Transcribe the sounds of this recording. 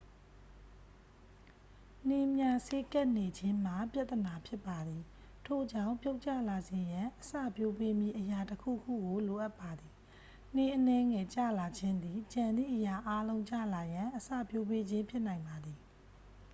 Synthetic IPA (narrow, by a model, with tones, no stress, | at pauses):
ne˦˨mja˦˨se˦ka˦ʔne˨d͡ʑɪ̃˦m̥a˨pja˦t̪ːəna˨pʰjɪ˦pːa˨d̪ði˨ | tʰo˦˨d͡ʑã˦˨mpjo˦ʊʔt͡ɕä̰˦˨la˨ze˨jã˨ʔəsä̰˦˨pjo˦pe˦mji˦˨ʔəja˨təkʰṵ˦˨kʰṵ˦˨ɡo˨lo˨ʔa˦pːa˨d̪i˨ | n̥e˦˨ʔənɛ˦ŋɛ˨t͡ɕä̰˦˨la˨d͡ʑɪ̃˦nd̪ði˨t͡ɕã˨nd̪ðḭ˦˨ʔə˨ja˨ʔa˦lõ˦ʊ̃ɲt͡ɕä̰˦˨la˨jã˨ʔəsä̰˦˨pjo˦pe˦d͡ʑɪ̃˦mpʰjɪ˦ʔnã˨ɪ̃mba˨d̪i˨